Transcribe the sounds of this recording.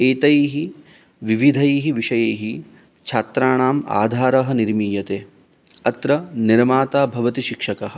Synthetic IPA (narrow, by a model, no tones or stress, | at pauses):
eːt̪ɐjːɦi | ʋiʋid̪ʱɐjeːɦiʋiʃɐjeːɦi | t͡ʃʰaːt̪ɾaːɳaːma̰ːd̪ʱaːɾɐɦɐ̆niɾmiːjɐt̪eː | ɐt̪ɾɐniɾmaːt̪aːbʱɐʋɐt̪iʃikʂɐkɐɦɐ̆